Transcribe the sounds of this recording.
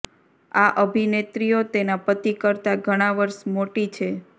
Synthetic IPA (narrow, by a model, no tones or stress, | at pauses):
aʔəbʱinet̪ɾijot̪enapət̪ikəɾt̪aɡʱəɽ̃aʋəɾʃmoʈit͡ʃʰe